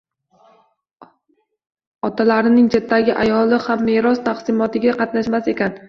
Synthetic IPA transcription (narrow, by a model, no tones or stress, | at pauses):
ɒt̪ʰalaɾɪnɪŋt͡ʃʰet̪ːaɡʲɪʔa̰jɒlɪhamːeɾɒst̪ʰaqsɪmɒt̪ɪɡʲaqʰɑt̪naʃmase̞kʲʰan